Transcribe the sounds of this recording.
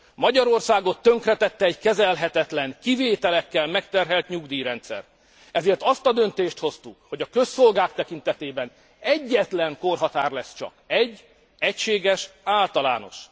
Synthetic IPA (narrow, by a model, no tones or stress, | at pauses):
mɒɟɒɾo̞rsaːɡo̞t̪ːø̞ŋkrɛt̪ɛt̪ːɛːɟkɛzɛlɦɛt̪ɛt̪lɛŋkiveːt̪ɛlɛkːɛlmɛkt̪ɛrɦɛlt̪ɲuɡd̪iːɾɛnt̪sɛ̰r | ɛzeːrt̪ɒst̪ɒd̪ø̞nt̪eːʃt̪ho̞st̪ukho̞ɟɒkø̞sːo̞lɡaːkt̪ɛkint̪ɛt̪eːbɛn | ɛɟːɛt̪lɛŋko̞rɦɒt̪aːrlɛst͡ʃɒ̰kɛɟː | ɛcʃeːɡɛʃaːlt̪ɒla̰ːno̞̰ʃ